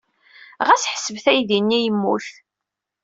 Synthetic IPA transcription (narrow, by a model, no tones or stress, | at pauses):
ʁæsħəsəvθæjðinːijəmːuθ